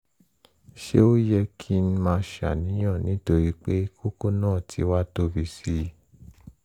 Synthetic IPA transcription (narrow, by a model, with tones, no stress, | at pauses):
ʃe˦o˦jɛ˧kʰi˦n̩˦mãː˧ʃa̰˨nĩ˨˦j̃ã˦˨nĩ˨˦to˧ɾi˧k͡pe˦ko˦ko˦nãː˦˨tʰi˧˦wa˦to˧˦bi˧si˧